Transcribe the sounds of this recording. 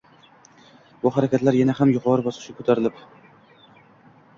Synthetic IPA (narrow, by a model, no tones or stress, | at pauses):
bʊhaɾakʲat̪laɾjanahamjʊqʰɒɾɪbɒsɪ̥ʃakʰɵ̥t̪ʰaɾɪlɪp